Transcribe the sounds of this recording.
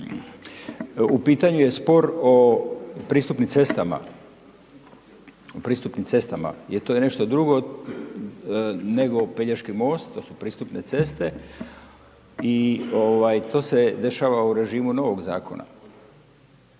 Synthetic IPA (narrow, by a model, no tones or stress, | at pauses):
upiːt̪aɲuje̞spo̞ɾo̞pɾiːst̪upnimt̪se̞st̪ama̰ | opɾiːst̪upnimse̞st̪ama̰jeɾt̪ojene̞ʃt̪o̞d̪ɾuɡo̞ | ne̞ɡo̞peʎaʃkimo̞ːst̪t̪ːo̞ːsupɾiːst̪upne̞se̞st̪e̞ | ioʋajt̪o̞ːse̞d̪e̞ʃaːʋauɾe̞ʒiːmuno̞ʋo̞ɡza̰ːkʰo̞̰na̰